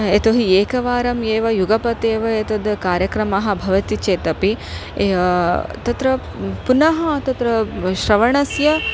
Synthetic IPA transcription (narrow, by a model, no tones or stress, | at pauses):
et̪oɦieːkɐʋaːɾɐmeːʋɐjuɡɐpɐt̪eːʋɐet̪ɐd̪kaːɾjɐkɾɐmɐɦɐ̆bʱɐʋɐt̪it͡ʃeːt̪ɐpi | t̪ɐt̪ɾɐ | punɐɦɐ̆t̪ɐt̪ɾɐʃɾɐʋɐɳɐsjɐ